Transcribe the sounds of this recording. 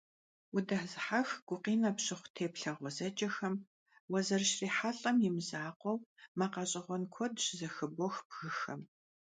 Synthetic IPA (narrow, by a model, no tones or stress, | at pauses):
ʊdɐħzɨħaxɡ̥ʷʊqiːnɐpɕɪχʷtʰeːpɬɐʁʷɔzɐd͡ʒɐxɐm | wɐzɐrʃriːħaɬʼɐmjɪmzaːqʷɔwmɐqɐɕʼɪʁʷɔnkʷʰɔdʃzɐxɨboxb̥ɣɨxɐm